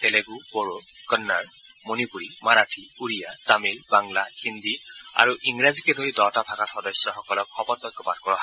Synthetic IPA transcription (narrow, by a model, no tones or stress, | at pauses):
t̪ɛleɡupoɹo | kənːaɹ | monipuɹimaɹatʰi | uɹijatamilbaŋlahind̪ia̰ɹuʔiŋɹazikɛd̪ʱoɹidɔtapʰakatxɔdɔsjɔxɔkɔlɔkʰːɔpɔt̚bɔɡɔpad̚kɔɹɔɦa